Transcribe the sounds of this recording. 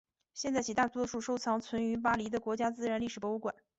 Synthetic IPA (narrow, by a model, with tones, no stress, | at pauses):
ɕjɛ˥˧nt͡sa˥˩t͡ɕi˨˩t̪a˥˩t̪wɔ˥ʂu˥˩ʂo˥ʊt͡sʰɑ˧˥ŋt͡sʰwə˧˥ny˧˥p̬a˥li˧˥d̪ə˧kwɔ˧˥t͡ɕja˥t͡sɹ̩˥˧ɻa˧˥nli˥˩ʂɻ̩˨˩pwɔ˥u˧˥kwa̰˨˩˦n